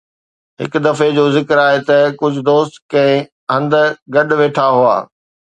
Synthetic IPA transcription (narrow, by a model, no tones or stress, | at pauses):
ɦɪ̰kd̪ɐfed͡ʑoːzɪkəɾaːɦet̪ɐkʊd͡ʑʱʊd̪oːst̪kɐ̃ɦɪ̃ | ɦɐ̃nd̪ɡɐɗʋeːʈʰaɦua̰ː